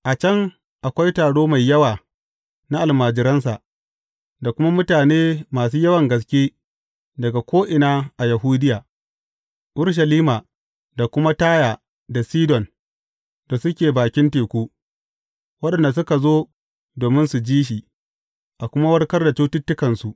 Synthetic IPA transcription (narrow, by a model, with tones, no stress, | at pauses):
ʔa˨t͡ʃɐ˦ŋ | ʔa˨kʷa˦jtaː˨ɽoː˦ma˨jːɐ˦waː˨ | na˦ʔa˨lmaː˨d͡ʒɪ˨ɾɐ˦ns̬a˨ʔ | da˨kʷʊ˦ma˦mʊ˦taː˨neː˦maː˨s̬uː˦jɐ˦wɐ˨ŋɡɐ˨s̬kʲeː˦ | dɐ˨ɡa˨kʷʰoː˦ʔɪ˨naː˦ʔa˨jɐ˨ɦuː˦dɪ˦jaː˨ | ʔʊ˦ɽʃ̬ɐ˨liː˦maː˨ | da˨kʷʊ˦ma˦taː˦jaː˨ | da˨siː˦dɔ˨n | da˨sʊ˦kʲeː˨baː˨kʲɪ˦nteː˨kʷuː˦ | wɐ˦ɗɐ˨nda˨s̬ʊ˦ka˨zoː˦ | doː˨mɪ˦nsu˨d͡ʒiː˦ʃ̬i˨ | ʔa˨kʷʊ˦ma˦wɐ˦rkɐ˦rda˨t͡ʃuː˦tʊ˦tːʊ˦kɐ˨nsu˨ʔ